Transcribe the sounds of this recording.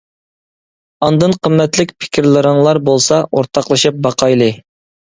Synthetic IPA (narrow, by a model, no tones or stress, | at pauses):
ɑnd̪ɨnqʰəmːɛt̪lɪkʲpʰɪ̥kʲʰɾlˠɨɾɨŋlˠɑɾbolˠsɑʔoɾt̪ʰɑqlˠɨʃɨp̚bɑqʰɑjlˠɨ